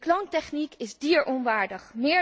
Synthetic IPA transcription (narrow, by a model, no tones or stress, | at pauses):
klontɛχnikɪzdiːɹʔɔnʋaːɹdəχmɪː